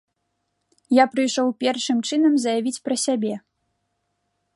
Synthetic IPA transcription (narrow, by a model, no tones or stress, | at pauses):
japɾɨjʂɔwpʲɛrʂɨmt͡ʂɨnɐmzɐjavʲit͡sʲpɾɐsʲabʲɛ